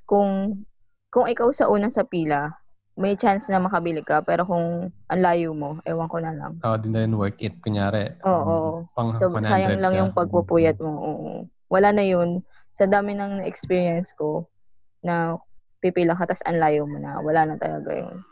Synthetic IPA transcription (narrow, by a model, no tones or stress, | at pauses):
kʊŋ | kʊŋʔɪkawsɐʔuːnɐsɐpiːlɐ | mɐjt͡ʃansnɐmɐkɐbɪlɪkːɐpɛːɾo̞kʊŋʔɐnlaːjomo̞ʔɛ̰jwɐŋkonɐlɐ̰ŋad̪ɪnːɐjɪnwɛɹkɪt̪̚kʊŋjaːɾɛʔoːʔopɐŋobɐaːjɐŋlɐŋjʊŋpɐɡ̚pupujɐt̪̚moʔoːʔo̰ | wɐlanɐjon | sɐd̪aːmɪnɐŋnɛʔɛkspiːɹiɐnsko̞ | nɐpipilɐkat̪ɐsɐ̰nlaːjomonɐ̰wɐlanɐt̪ɐlɐ̰ɡa̰jo̰n